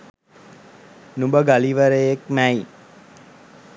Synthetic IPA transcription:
numbəɡaliʋəɾejekmæj

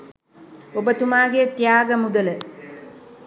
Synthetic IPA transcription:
obət̪umaːɡet̪ijaːɡəmud̪ələ

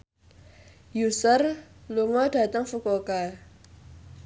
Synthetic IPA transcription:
jusaɾloŋwatataŋfukɔka

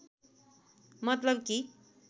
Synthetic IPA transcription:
mʌt̪lʌb̚ki

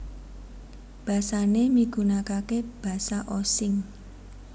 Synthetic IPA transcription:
b̥ä̤sanemiɡ̥ṳnakakeb̥a̤saʔosɪŋ

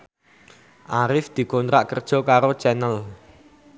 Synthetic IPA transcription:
ʔaɾɪfd̪̥i̤kont̪ɾaʔkərd̥ʒ̥ɔ̤kaɾo̥t͡ʃɛnəl

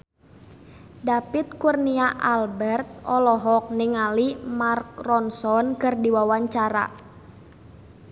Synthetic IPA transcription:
dapit̪̚kurniaʔalbɛrt̪̚ɔlɔɦɔk̚niŋalimark̚rɔnsɔnkɨrdiwawaɲt͡ʃaɾa̰

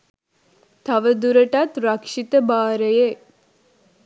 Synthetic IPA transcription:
t̪ɐʋəd̪uɾəʈɐt̪ɾɐkʂit̪əbaːɾeje

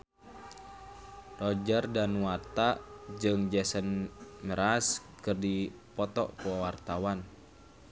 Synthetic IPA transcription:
rɔd͡ʒərdanwart̪ad͡ʒɨŋd͡ʒɛsənməɾas | kɨrdi | pɔt̪ɔ̰ʔpɔwart̪awan

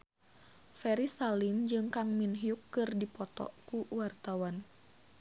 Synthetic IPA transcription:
fɛɾisalind͡ʒɨŋkaŋminɦiukːɨrdipɔt̪ɔ̰ʔkuwart̪awan

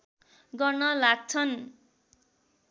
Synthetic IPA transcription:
ɡʌrnʌlaɡ̚t͡sʰʌn

